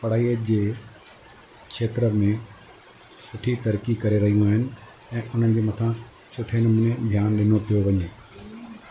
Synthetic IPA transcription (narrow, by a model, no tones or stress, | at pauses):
pɐɽ̤aːiːəd͡ʑeː | kʰʃeːt̪ɾəmẽ | sʊʈʰit̪ɐɾkikɐɾeɾɐɦijũaːɦɪnɪ̆ | ɛ̃ːʔʊn̤ənɪ̆d͡ʑeːmɐt̪ʰã | sʰʊʈʰenʊmũnẽd̪ʱjaːnɗɪnopijoʋɐɲeː